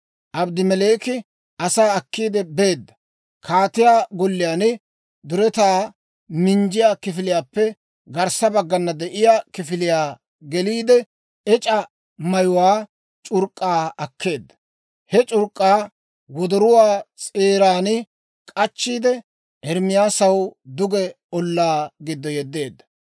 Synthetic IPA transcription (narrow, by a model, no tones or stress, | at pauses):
ʔɐbd̪ɪmɛleːkɪ | ɐsaːɐkːiːd̪ɛbe̞ːd̪ːɐ | kʰaːt̪ɪjaːɡɔlːɪjaːnɪ | d̪ʊɾɛt̪aː | mɪnd͡ʒɪjaːkɪfɪlɪjaːpːɛ | ɡɐɾsɐbɐɡːɐnːɐd̪ɛʔɪjaːkɪfɪlɪjaː | ɡɛliːd̪ɛ | ɛt͡ʃʼɐ | mɐjʊwaː | t͡ʃʼʊɾkʼːaːɐkʰːe̞ːd̪ːɐ̥ | hɛt͡ʃʼʊɾkʼːaː | wɔd̪ɔɾʊwaːt͡sʼeːɾaːnɪ | kʼɐt͡ʃːiːd̪ɛ | ʔɛɾmɪjaːsɐwd̪ʊɡɛ | ɔlːaːɡɪd̪ːɔjɛd̪ːe̞ːd̪ːɐ̥